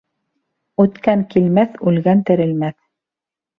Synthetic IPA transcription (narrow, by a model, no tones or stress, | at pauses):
ʉt̪kæŋkilmæθʉlɡænt̪ɘ̆ɾɘ̆lmæθ